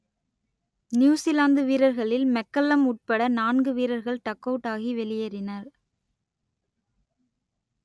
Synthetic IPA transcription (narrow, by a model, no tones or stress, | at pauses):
njuːsɪlaːnd̪ɯʋiːɾɐɾɣɐɭɪlmɛkːɐlːɐmʊʈ̚pɐɽɐnaːnɡɯʋiːɾɐɾɣɐɭt̪ɐkːɐːʈːaːɣiʋɛlɪjɐɾɪnɐɾ